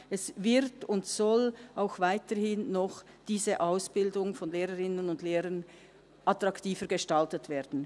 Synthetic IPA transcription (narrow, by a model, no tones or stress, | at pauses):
ʔɛsvɪɾtʊntsɔlʔaʊxvaɪtəhɪnːɔχ | d̥iːzəʔaʊsb̥ɪldʊŋfɔnleːʁəʁɪnənʊndleːɾən | ʔatʁ̥ɑktiːfəɡəʃtaltətv̥eːd̥n̩